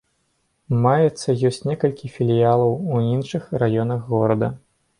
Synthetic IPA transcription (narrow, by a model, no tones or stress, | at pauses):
majɛt̪sːɐjɔsʲt͡sʲnʲɛkɐlʲkʲifʲilʲijalˠɐwuinʂɨxrajɔnɐɣːɔɾɐd̪ɐ